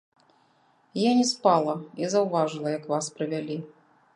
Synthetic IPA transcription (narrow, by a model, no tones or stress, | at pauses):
janʲɛspalˠɐizɐwvaʐɨlˠɐjɐkvaspɾɨvʲalʲi